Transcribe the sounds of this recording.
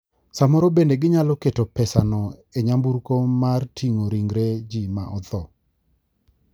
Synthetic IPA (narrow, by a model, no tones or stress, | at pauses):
samɔɾɔbendeɡɪɲalɔketɔpɛsanɔeɲambuɾkomartʰiŋoɾiŋɡɾed͡ʒima̰ʔɔd̪ɔ